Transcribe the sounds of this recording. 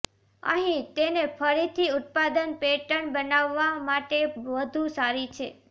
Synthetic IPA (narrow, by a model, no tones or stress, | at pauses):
ə̰ɦĩt̪enefʰəɾit̪ʰiʊt̪̚pad̪ənpeʈəɳbənaʋːamaʈeʋəd̪ʱũsaɾit͡ʃʰḛ